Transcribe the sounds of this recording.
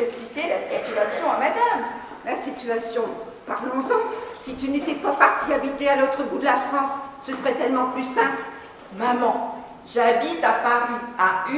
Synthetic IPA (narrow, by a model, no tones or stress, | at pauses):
ɛksplikʲelasit̪yasjɔ̃amad̪am | lasit̪yasjɔ̃ | paʁlɔ̃zɑ̃sit̪ynet̪ɛpapaʁt̪iabit̪ealot̪χəbud̪əlafχɑ̃sːəsəʁɛt̪ɛlmɑ̃plysɛ̃pl | mamɑ̃ | ʒabit̪apaʁya